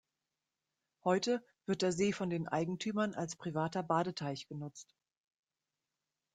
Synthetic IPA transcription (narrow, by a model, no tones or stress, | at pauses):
hɔʏtə | v̥ɪɐt̚d̥eːɐzeːfɔndeːnʔa̰ɪɡŋ̩tʰyːmɐna̰lspʁ̥ivaːtɐbaːɾətʰaɪçɡ̥ənʊt͡st